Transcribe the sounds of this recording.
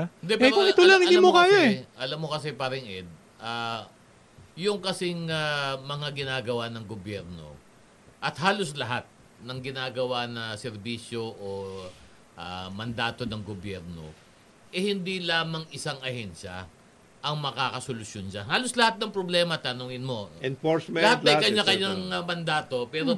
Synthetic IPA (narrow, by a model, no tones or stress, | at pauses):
ɪnd̪ɛpːɾoɪolaŋɪnd̪imokaːjaɛʔɐlamːokɐs̬ɛpaɾɪŋʔɛd̪̚ | ʔa | jʊŋkɐsɪŋamɐŋaɡɪnaːɡɐwanɐŋɡobjɛɾno̞̰ | ʔɐt̪̚haːlo̞slɐɦat̪̚ | nɐŋɡɪnaːɡɐwanɐsɛɾbiːsjo̞ʔo | ʔamɐnd̪aːt̪o̞nɐŋɡobjɛɾno̞̰ | ʔɛhɪnd̪ilaːmɐŋɪsaŋɐhɛnʃɐ̰ | ʔɐŋmɐkaːkɐsolʊsjonʃanhaːlo̞slɐhat̪̚nɐŋpɾoblɛːmɐt̪ɐnoŋɪnmo̞ɛnfosmɛlɐhat̪̚ɐjkɐɲakɐɲaŋmɐnd̪aːt̪o̞pɛːɾo